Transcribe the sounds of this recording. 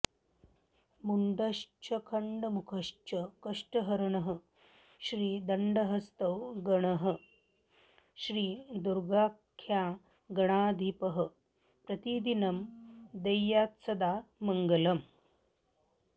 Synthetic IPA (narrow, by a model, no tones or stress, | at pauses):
muɳɖ̪ɐʂt͡ʃʰɐkʰɐɳɖəmukʰɐʂt͡ʃʰəkɐʂʈɐɦɐɾɳɐɦə̆ | ɕɾiːd̪ɐɳɖɐɦɐst̪ɐwɡɐɳɐɦə̆ | ɕɾiːd̪uɾɡaːkʰːja | ɡɐɳ̃aːd̪ʱipəɦə̆ | pɾɐt̪id̪inɐmd̪ɐjːaːt̪sɐd̪aːmɐŋɡɐlɐm